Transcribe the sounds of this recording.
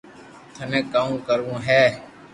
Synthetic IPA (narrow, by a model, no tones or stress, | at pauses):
t̪ʰənẽːkaːmkəɾũːɦɛː